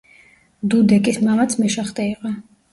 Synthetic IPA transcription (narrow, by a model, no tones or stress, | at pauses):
d̪ud̪ɛkʼismamat̪sʰmɛʃaχt̪ʼɛiqʼɔ